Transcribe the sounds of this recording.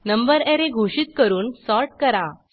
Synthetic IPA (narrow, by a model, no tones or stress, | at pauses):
nəmbəɾɛɾeɡʱoɕit̪̚kəɾuːnsɔɾʈ̚kəɾa